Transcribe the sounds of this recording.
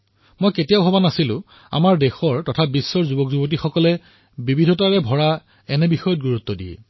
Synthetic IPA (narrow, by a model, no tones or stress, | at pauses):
mojketijaʊɦɔbanasilʊ̰̃ | a̰maɹdɛxɔɹtɔtʰabisːɔɹzubɔkzubɔt̬ixɔkɔlɛ | bibʱidʱɔtaɹɛbʱɔɹa | ɛnɛbixɔjɔt̚ɡuɹut̪ːɔdiɛ̰